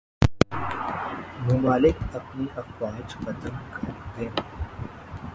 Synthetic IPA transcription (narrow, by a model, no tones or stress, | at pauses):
mʊmaːlɪkɐpniʔɐfwaːd͡ʒqɐt̪əlkɐd̪ẽː